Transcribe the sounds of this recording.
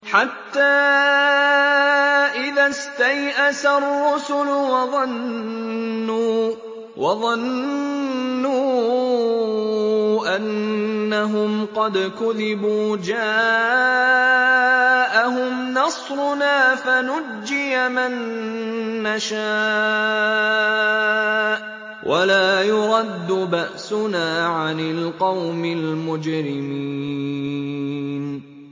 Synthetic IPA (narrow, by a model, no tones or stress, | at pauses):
ħat̪ːaː | ʔɪðast̪ajʔasarˤːʊsʊlwɑðˤɑnː | uː | wʔɑðˤɑnː | uː | ʔanːaɦʊmqɑd̪kʊðɪbuːd͡ʒaː | ʔaɦʊmnɑsˤɾʊnaːfanʊd͡ʒːɪjamanː | aʃa | ʔ | wʔalaːjʊɾˤɑd̪ːʊbaʔsʊnaːʕanɪlqɑwmɪlmʊd͡ʒɾɪmiː | n